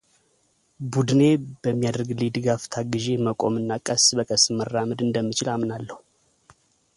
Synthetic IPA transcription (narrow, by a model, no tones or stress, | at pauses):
bud̪ne̞bəmːijad̪əɾɡlid̪ɨɡaft̪ʰaɡɨʒe̞məkʼo̞mɨnːakʼəsbəkʼəsmərːaməd̪ɨnd̪əmːɨt͡ʃɪlamnalːəhu